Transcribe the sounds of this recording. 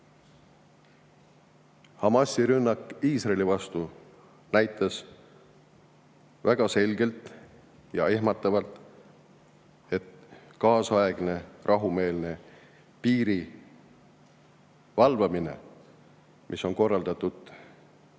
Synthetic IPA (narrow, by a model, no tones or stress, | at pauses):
hɑmɑsːiɾynːɑkːˑiːsrɑelʲivɑst̪u | næjt̪ːˑɑs | væɡ̥ɑse̞lʲɡe̞lt̪ˑ | jɑ̰eɦmɑt̪ːˑɑvɑlt̪ˑ | e̞t̪kɑːsɑeɡ̥ne̞rʔɑɦume̞ːlne̞ | piːɾi | vɑlvɑminḛ | mʔiso̞nko̞rːɑld̪ɑt̪ːˑud̪̥